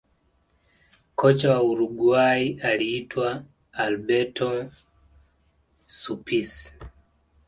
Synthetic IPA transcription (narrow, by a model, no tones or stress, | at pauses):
kɔt͡ʃawauɾuɡwaiʔaliːtwaː | lbɛtɔ | supisi̥